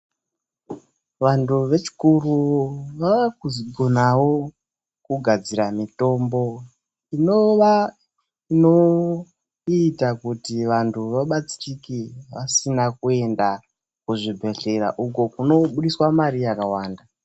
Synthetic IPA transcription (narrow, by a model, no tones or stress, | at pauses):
ʋantuʋe̞t͡ʃi̥kuruʋaʋakuziɡʱonawo̞ | kuɡʱad͡ziɾamito̞ːmbo̞ | inoʋa | ino̞ | itakutiʋantʰuʋaɓat͡si̥rikiʋasinakue̞nda | kuʐibʱe̞ɬe̞ɾa̰ʔukokuno̞ɓuɗiswamaɾijakawaːnda